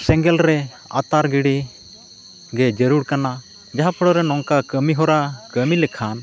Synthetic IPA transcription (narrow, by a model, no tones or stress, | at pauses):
sɛŋɡɛlɾɛ | a̰t̪aɾɡiɽi | ɡɛd͡ʒəɾuɽkana | d͡ʒaɦapʰɔɽɔɾɛnɔŋkakəmiɦɔɾakəmilɛkʰan